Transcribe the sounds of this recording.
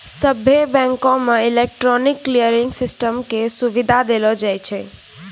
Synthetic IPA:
səbʱebɛ̃ŋkõmeilek̚ʈɾɔnikːlijəɾiŋɡsisʈəmkesuʋid̪ʱad̪elɔd͡ʒajt͡ʃʰɛ

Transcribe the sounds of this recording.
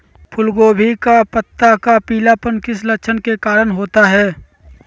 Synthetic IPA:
pʰʊlɡoːbʱikapət̪ːakapiːlapənkɪslɐkʃʰənkekaːɾənɦoːt̪aɦɛː

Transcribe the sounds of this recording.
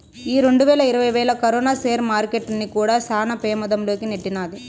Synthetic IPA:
iːɾe̞ɳɖuʋɛːlɐiɾɐʋɐjʋɛːlɐkɐɾɔːnaːseːɾmaːɾkeʈnikuːɽaːsaːnɐpɛːmɐd̪ɐmlo̞ːkineʈːinaːd̪i

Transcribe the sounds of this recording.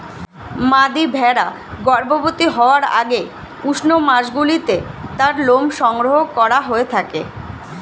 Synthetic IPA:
mad̪ibʱɛɾa | ɡɔɾbobot̪iɦɔoaɾa̰ɡe | uʃnomaʃɡulit̪et̪aɾlomʃɔŋɡɾoɦokɔɾaɦoet̪ʰakḛ

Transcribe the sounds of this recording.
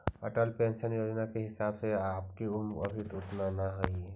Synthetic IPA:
əʈəlpẽːnʃənjoːd͡ʒnakeɦɪsaːbseaːpkiʊmɐ̰bʱit̪ʊʈnanaɦoie

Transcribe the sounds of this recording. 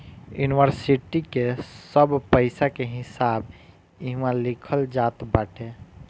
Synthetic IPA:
juniʋəɾsiʈikesəbpəɪsakeɦɪsab | iɦmãlɪkʰəld͡ʒat̪baːʈʰe

